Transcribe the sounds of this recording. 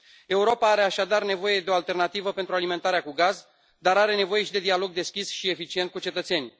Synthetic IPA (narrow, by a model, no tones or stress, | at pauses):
e̞uɾo̞paaɾe̞aʃad̪arne̞vo̞je̞d̪eo̞alt̪e̞rnat̪ivəpent̪ɾualime̞nt̪aɾeakuɡaz | d̪aɾaɾe̞ne̞vo̞je̞ʃid̪e̞d̪ialo̞ɡd̪e̞skʲisʃie̞fit͡ʃient̪kut͡ʃe̞t̪ət̪se̞nʲ